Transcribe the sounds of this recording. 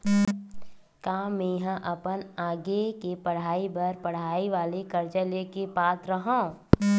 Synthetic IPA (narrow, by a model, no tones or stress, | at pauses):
kaːmẽjɦãʔɐpənaːɡekepɐɽ̤aːibɐɾpɐɽ̤aːiʋaːlekɐɾt͡ʃəlekepaːt̪ɾɐɦãː